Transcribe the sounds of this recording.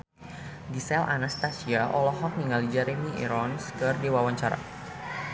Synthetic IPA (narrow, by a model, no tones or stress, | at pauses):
ɡisɛlʔa̰nast̪asiaʔɔlɔɦɔk̚niŋalid͡ʒaɾemiʔḭɾɔnskərdewawaɲt͡ʃaɾa̰